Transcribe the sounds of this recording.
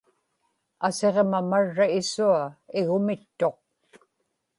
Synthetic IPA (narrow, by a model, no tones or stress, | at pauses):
ase̞ʁmamaɻːaɪsuaɪɣʊmɪt̪ːo̞q̚